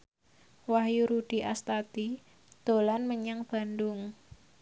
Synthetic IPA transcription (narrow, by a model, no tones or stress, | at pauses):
wahjuɾuɖ̥i̤ʔast̪at̪i | d̪̥o̤lanməɲaŋb̥a̤ndʊŋ